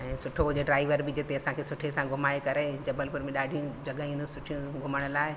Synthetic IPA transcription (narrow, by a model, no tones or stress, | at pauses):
ɛ̃ːsʊʈʰoɦʊd͡ʑeɖɾaːɪʋəɾbɪd͡ʑet̪eɐsãkʰeːsʊʈʰesãɡʱʊmaːekɐɾeːd͡ʑɐbəlpʊɾmẽɗaːɖʱijũd͡ʑɐɡəĩnũsʊʈʰijũɡʱʊməɽ̃ʊlaːɪ